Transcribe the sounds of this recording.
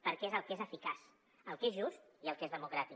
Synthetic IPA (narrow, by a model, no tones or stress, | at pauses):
pəɾkɛezəlˠkezəfikas | əlˠkezʒust̪iəlˠkezðəmukɾat̪i